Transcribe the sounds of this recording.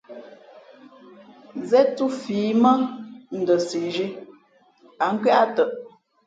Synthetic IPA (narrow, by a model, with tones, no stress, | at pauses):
zɛ˦tu˦fiː˨˦mə˦n̩˨də˨si˨ʒi˦ | a˨ŋ̩˦kɥɛ˦ʔa˦tə˨ʔ